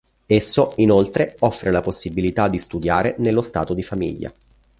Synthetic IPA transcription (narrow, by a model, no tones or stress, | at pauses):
esːoinolt̪ɾeɔfːɾelaposːibilit̪ad̪ːist̪ud̪jaːɾenelːost̪a̰ːt̪od̪ifamḭʎːa̰